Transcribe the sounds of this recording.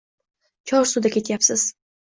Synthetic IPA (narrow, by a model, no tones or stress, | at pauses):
t͡ʃʰɒɾsud̪akʲʰe̞t̪japsɪz̥